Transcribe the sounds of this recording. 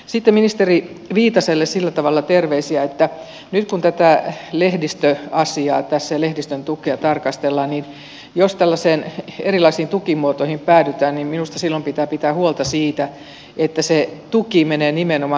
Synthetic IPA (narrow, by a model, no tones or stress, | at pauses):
sit̪ːeminist̪eri | ʋiːt̪ɑselːessilːæt̪ɑʋɑlːɑt̪erʋeisiæet̪ːæ | nyt̪kunt̪æt̪ælehdist̪øɑsiɑ̰ːt̪æsːelehdist̪ønt̪ukeɑt̪ɑrkɑst̪elːɑnnin | jost̪ælːæseːnḛrilɑisiːnt̪ukimuot̪oihimpæːdyt̪æːnnimminust̪ɑsilːompit̪æːpit̪æːhuolt̪ɑsiːt̪æ | et̪ːæset̪ukimeneːnimenomɑ